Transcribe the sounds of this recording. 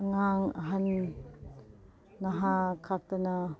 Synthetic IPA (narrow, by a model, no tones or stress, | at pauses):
ɐŋaŋɐɦɐn | ɐɦakʰak̚tɐnɐ